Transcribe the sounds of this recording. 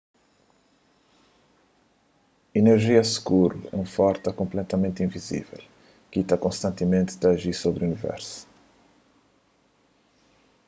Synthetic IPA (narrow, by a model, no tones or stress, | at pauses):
ineɾʒiɐskuɾṵɛ̰ũfɔɾt̪ɐkõmplɛt̪ɐmẽnt̪ĩvizḭvɛ̰l | kit̪akõst̪ɐ̃nt̪ɪmẽnt̪ɪ̥t̪ːʒiɾsobɾiunivɛ̰ɾsu̥